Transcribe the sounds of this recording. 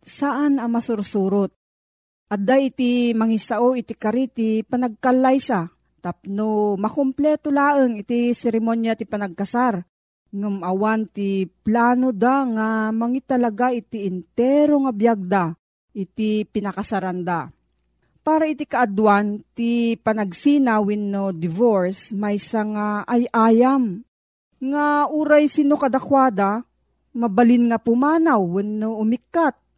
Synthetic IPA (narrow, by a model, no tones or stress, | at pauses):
saʔanɐmɐsʊɾsuːɾot̪̚ | ʔad̪aʔɪt̪imaŋisaʔoʔɪt̪ikaɾit̪ipɐnɐɡ̚kalːajsa | t̪apnomɐkomplɛt̪olaːʔəŋɪt̪isɛɾɪmonjat̪ipɐnɐɡ̚kɐsaɾ | nʊmʔɐwant̪iplaːnod̪aŋamɐŋit̪ɐlɐɡaʔɪt̪iʔɪnt̪ɛɾoŋabjaɡ̚d̪a | ʔɪt̪ipɪnɐkasɐɾand̪a | paːɾaɪt̪ikɐʔad̪want̪ipɐnɐɡsinawɪnːod̪ɪvoɹsmɐjsaŋaʔajʔaːjam | ŋaʔuɾajsinokɐd̪akwaːd̪a | mɐbɐlɪnŋapʊmaːnawːɪnːoʔʊmɪkːat̪̚